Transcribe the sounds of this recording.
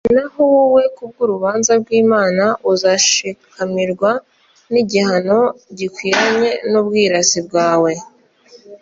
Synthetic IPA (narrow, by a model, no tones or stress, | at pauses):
nahowuwe̞kub̚ɡuɾuβaːnzaɾɡwiːmaːnaʔuzaʃikʰamiɾɡwa | niɟihano̞ɟikwiːɾaɲe̞nubɡiːɾasib̚ɡaːwe̞